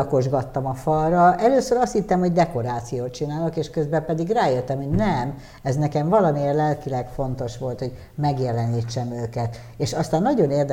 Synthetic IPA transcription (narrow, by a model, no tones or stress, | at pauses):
ko̞ʒɡɒt̪ːɒmɒfɒlrɒʔɛløːsøɾɒst̪hit̪ːɛmhoɟd̪ɛko̞ɾaːt̪sijoːt̪̚t͡ʃinaːlokeːʃkøzbɛpɛd̪iɡraːjøt̪ːɛmhoɟnɛm | ɛznɛkɛɱvɒlɒmierlɛlkilɛkfo̞nt̪o̞ʃʋo̞lt̪ho̞ɟ | mɛɡjɛlɛniːt͡ʃːɛmøːkɛt̪ | eːʃɒst̪aːnːɒɟo̞neːrd̪